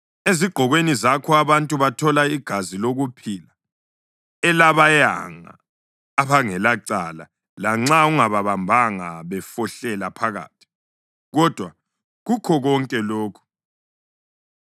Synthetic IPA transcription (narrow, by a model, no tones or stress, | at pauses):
eziɡ͡ǃ̥ʱɔɣwenizakʰɔaβantʼuβatʰɔlaiɡ̥ʱaziloɣupʰila | ɛlaβaja̰ŋa̰ː | βaŋɛlaǀala | laŋ͡ǁauŋaβaβambʱaŋaβɛfɔɬɛlapʰaɣa̰ːtʰi̥ | ɣɔd̥ʱwa | ɣukʰɔɣɔŋkʼɛloːkʰu̥